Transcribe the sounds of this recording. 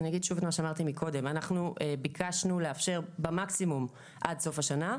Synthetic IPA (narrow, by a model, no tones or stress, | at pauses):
naɡid̪ʃuvetmaʃeamaʁt̪imikʰo̞de̞manaχnuʔebikʰaʃnuleafʃe̞ʁbemaksimum | ʔadso̞faʃana